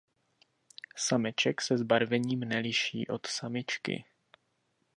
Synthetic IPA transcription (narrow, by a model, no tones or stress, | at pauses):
samɛt͡ʃɛksɛzbaɾvɛɲiːmnɛlɪʃḭːʔo̞t̪samɪt͡ʃkɪ̰